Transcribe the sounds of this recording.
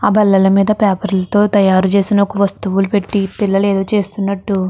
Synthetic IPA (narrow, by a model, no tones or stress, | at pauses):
aːbɐlːɐlɐmiːd̪ɐpaːpɐɾlɐt̪o̞ːt̪ɐjaːɾut͡ʃe̞ːsinɐokɐʋɐst̪uʋulupe̞ʈːipilːɐleːd̪o̞ːt͡ʃe̞ːst̪unːɐʈːu